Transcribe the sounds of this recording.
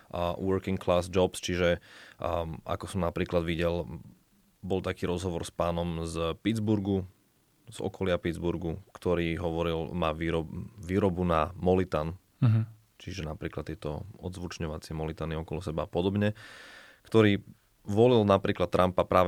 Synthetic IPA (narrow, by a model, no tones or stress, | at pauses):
wɔɾkiŋklaːzd͡ʒɔpst͡ʃiʒɛ | a̰kɔsɔmnapɾiːklad̪ʋiɟɛl | bɔlt̪akiːɾɔzɦɔʋɔɾspaːnɔmzpid̪d͡zbuɾɡu | z̥ɔ̰kɔlɪapid̪d͡zbuɾɡukt̪ɔɾiːɦɔʋɔɾilmaːʋiːɾɔʋiːɾɔbunamɔlit̪an | t͡ʃiʒɛnapɾiːklat̪t̪ːɪɛt̪ɔ̰ɔd̪zʋut͡ʃɲɔʋat͡sɪɛmɔlit̪aniɔkɔlɔsɛbaːpɔd̪ɔbɲɛ | kt̪ɔɾiː | ʋɔlilnapɾiːklat̪ːɾʔampapɾʔaːʋ